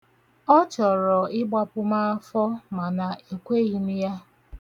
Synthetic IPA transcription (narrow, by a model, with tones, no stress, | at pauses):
ɔ˦t͡ʃɔ˨ɾɔ˨ɪ˦ɡ͡ba˨pʊ˦ma˦a˦fɔ˦ma˨na˨e˨kʷe˦ɣi˦mi˦ja˦